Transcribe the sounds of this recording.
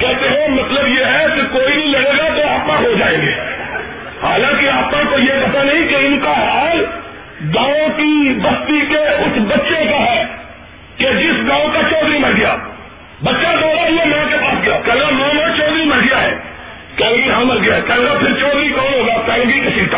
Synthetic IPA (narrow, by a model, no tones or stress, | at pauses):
kɛːɦt̪eɦɛ̃mɐt̪ləbjeɦɛkekoːilɐɽeːɡat̪oaːpnãɦod͡ʒaːẽːŋɡḛː | haːlãːkiaːpnãkojekɐt̪anɐɦĩkeɪnkaɦaːl | ɡãːõkibɐst̪ikeʊsbɐtːʃekaɦɛː | ked͡ʒɪsɡãːõkat͡ʃɔːd̪ɾimɐlɡɪja̰ː | bɐtːʃaɡɔːɽaɦiɦɛmɛ̃ːkepaːsɡɐjaːkɛːɡamõmẽt͡ʃɔːd̪ɾimɐlɡɪjaɦɛ̰ː | kɛːlɡiɦɐ̃məlɡɪjaɦɛkɛːɡapʰɪɾt͡ʃɔːd̪ɾikɔːnɦoːɡaːkɛːlɡikɪsit̪ː